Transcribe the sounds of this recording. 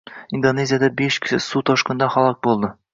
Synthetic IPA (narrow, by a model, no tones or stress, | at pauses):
ind̪onʲezʲɪjad̪ɑbeʃkɘ̥ʃɘsut̪ɒʃqɤ̆nd̪ɑχɒlˠɑq̚bulˠd̪ɤ